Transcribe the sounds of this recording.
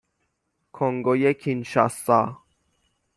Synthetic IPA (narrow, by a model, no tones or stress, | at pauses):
kʰoŋɡojekʲʰinʃa̰sːa